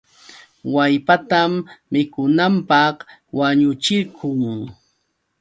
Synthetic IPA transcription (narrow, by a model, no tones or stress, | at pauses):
wajpat̪amːɪkʊnampɑχwaɲʊt͡ʃɪɾkʊŋ